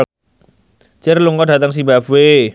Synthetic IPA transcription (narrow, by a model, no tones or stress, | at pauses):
t͡ʃɪrluŋɔdat̪əŋs̬ibabwe